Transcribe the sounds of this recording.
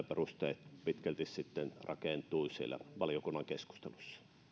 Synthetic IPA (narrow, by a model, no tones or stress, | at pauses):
perust̪eit̪pit̪kælt̪issit̪ːenrɑ̰keˑnt̪ˑuisiḛlːæ̰ʋɑlijokunːɑŋkesku̥st̪elusːɑ̥